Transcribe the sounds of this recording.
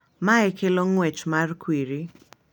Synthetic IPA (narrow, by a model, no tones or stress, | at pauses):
maɛkʰeloŋwɛt͡ʃmarkwiɾi